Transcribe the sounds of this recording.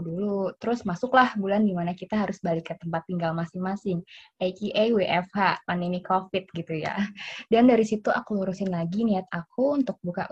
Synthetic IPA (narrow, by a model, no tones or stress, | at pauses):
dulut̪əɾʊsmasʊklahbulandimanakit̪aɦaɾʊsbalɪkːət̪əmpat̪̚ːiŋɡalmasɪŋmasɪŋɛkiʔajweʔɛfhaʔpaninikʰofɪt̪̚ɡit̪uja̰dandaɾisit̪uʔakuluɾusɪnlaɡiniat̪̚akuunt̪ʊk̚bukaʔ